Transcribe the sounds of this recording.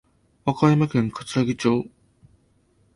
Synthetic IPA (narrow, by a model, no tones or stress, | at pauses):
βakajamakẽ̞ŋkḁt͡sɨ̥aɡʲit͡ɕoː